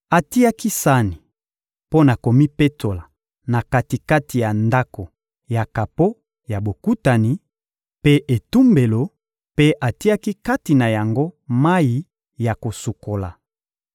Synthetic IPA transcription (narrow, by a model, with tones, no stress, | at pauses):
a˨ti˦a˦ki˦sa˦ni˨ | po˦na˨ko˨mi˦pe˦tʰo˨la˨ | na˨ka˦ti˨ka˦ti˨ja˨nda˦ko˨ | ja˨ka˨po˦ | ja˨bo˨ku˦ta˨ni˨ | pe˦ʔe˨tu˦mbe˨lo˨ | pe˦ʔa˨ti˦a˦ki˦ka˦ti˨na˨ja˨ŋɡo˦ma˦ji˦ | ja˨ko˨su˨kʰo˨la̰˨